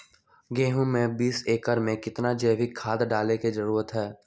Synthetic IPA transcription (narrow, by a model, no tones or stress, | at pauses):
ɡeːɦũmɛ̃ːbiːseːkəɾmẽkɪt̪nad͡ʒɛːbʱikʰaːd̪ɖaːlekid͡ʒɐɾuːɾət̪ɦɛː